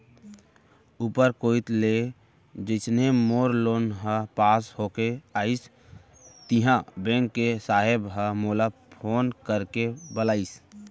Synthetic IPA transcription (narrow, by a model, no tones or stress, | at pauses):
uːpəɾkoit̪le | d͡ʒəɪt̪nemoːɾloːnɦə̃paːsɦokeaːɪs | t̪iɦãbẽŋkːesaɦebɦəmoːla | pʰoːnkəɾkebəlaːis